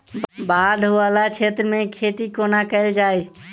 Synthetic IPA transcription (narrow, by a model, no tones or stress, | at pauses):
bad̪ʱɦoalat͡ʃʰet̪ɾəmekʰet̪ikonakəɪld͡ʒaj